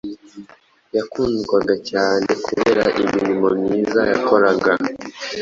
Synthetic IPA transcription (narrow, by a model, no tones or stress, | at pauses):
jakuːnɡwaɡacaːne̞kʰuβeɾa̰ʔiminimo̞mɲiːzajako̞ɾaɡa